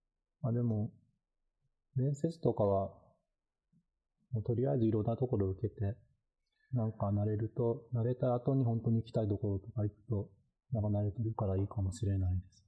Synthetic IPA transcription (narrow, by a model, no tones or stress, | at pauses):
mad̪e̞mo̞ | ɾẽ̞ɰ̃se̞t͡sɨ̥t̪o̞kaβa | moːt̪o̞ɾʲiaizɨiɾõ̞nːat̪o̞ko̞ɾo̞ɯ̟ke̞t̪e̞ | nãŋkanaɾe̞ɾɯ̟t̪o̞naɾe̞t̪aat̪o̞ɲ̟iɦõ̞nt̪o̞ɲ̟iːkʲi̥t̪ait̪o̞ko̞ɾo̞t̪o̞kaikɯ̥t̪o̞ | nãŋkanaɾe̞t̪eɾɯ̟kaɾaiːkamo̞ɕiɾe̞naid̪e̞sɨ̥